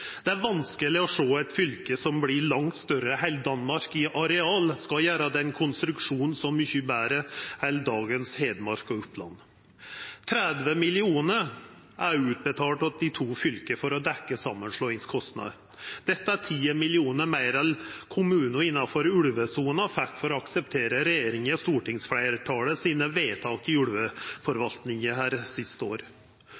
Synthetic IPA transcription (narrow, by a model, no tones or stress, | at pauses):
d̪̥ɛæɾʋɑnskəlɪɔʂoːæt̪fʏlkəsɔmblɪɭɑŋt̪st̪œɾəhæɪld̪ɑnmɑɾkɪʔɑɾɛɑːlskɑjæːɾɑd̪ɛnkʰʊnst̪ɾʉkʂuːnn̩sɔmːʏçʉbæːɾəhæɪld̪ɑːɡənsheːd̪mɑɾkɔʊplɑ̰nː | t̪ʰɾɛd̪ʋəmɪlɪuːnə | ʔæɾʉːt̪̚bət̪ʰɑːlʈɑt̪̚d̪ɪt̪ʰuːfʏlkəfɔɾɔd̪ɛkːəsɑmːənʂɭoːɪŋskʰɔst̪nɑ̰ | d̪̥ɛt̪ːəæʈʰiːəmɪlɪuːnəɾmæɪɾɛlkʰʊmʉːnʊɪnːɑfɔɾʉɭʋəsuːnɑfækfɔɾɔɑksəpt̪ʰeːɾəɾɛjeːɾɪŋəst̪uːʈɪŋsfɽæɪɾʈʰɑːləsiːnəʋeːt̪ʰɑːkɪʉɽʋəfɔɾʋɑlt̪nɪŋəhæːɾsɪst̪əo̰ːɾ